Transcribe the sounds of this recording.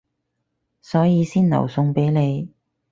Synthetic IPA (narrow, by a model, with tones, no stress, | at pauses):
sɔː˨˥jiː˨˧siː˥nnɐ̰˨˩wsʊ˧ŋpe˨˥jne˨˧j